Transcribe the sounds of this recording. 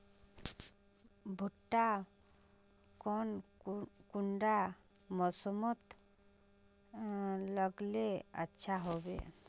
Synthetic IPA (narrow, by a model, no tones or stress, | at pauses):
bʱoʈːa | kɔn | kuɳɖa | mɔsomɔt̪ | lɔɡlea̰tːʃʰaɦɔbḛ